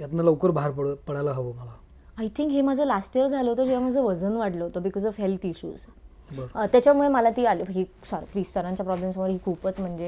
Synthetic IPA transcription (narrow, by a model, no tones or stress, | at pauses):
jat̪naləwkəɾbaɦaɾpəɽpəɽajlaɦəʋoməla | ajt̪ʰĩŋkɦemad͡zʱəlasʈiəɾd͡zʱaloɦot̪oəd͡ʑiʋamad͡zʱəʋəd͡zənʋaɽləɦot̪obikɔzɔʋɦelt̪iɕṵːz | bəɾt̪jat͡ɕjamuɭeməlat̪iːaliɦiː | sɔɾḭkɾisʈəɾãɲt͡ɕjapɾɔblemsmoʋəɾɦiːkʰupət͡sm̤əɳd͡ze